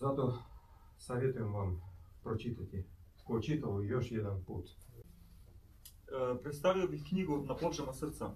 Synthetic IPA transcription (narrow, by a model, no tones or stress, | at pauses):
zat̪o | savʲet̪ujɛmvampɾɔt͡ʃit̪at̪ʲi | kot͡ʃit̪ɐlˠjɔʃjɛd̪ɛnpṵt̪ | pɾɛt̪st̪avilˠbixknʲiɡoot̪naplˠɔʒɛnasəɾt̪sa